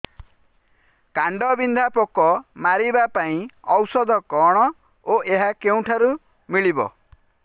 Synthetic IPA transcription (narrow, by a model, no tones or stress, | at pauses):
kaɳɖɔbind̪ʱapokɔmaɾibapaĩɔwsɔd̪ʱɔkɔɽ̃ɔ | oʔeɦakeũʈʰaɾu | miɭibɔ̰